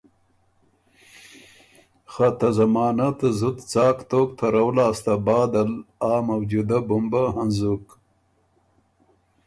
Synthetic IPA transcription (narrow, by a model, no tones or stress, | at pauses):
xat̪ɐzɐmɑːnat̪zut̪t͡sɑːkt̪oːkt̪ʰɐɾawlɑːst̪abɑːd̪alaːmɐwd͡ʒud̪abumbaɦanzuk